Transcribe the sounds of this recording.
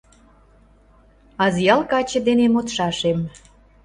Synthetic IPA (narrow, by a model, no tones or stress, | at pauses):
ɑzjɑlkɑt͡ɕə̆d̪enemot̪ʃɑʃem